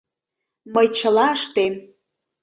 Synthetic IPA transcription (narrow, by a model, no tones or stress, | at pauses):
məjt͡ɕə̆lɑəʃt̪em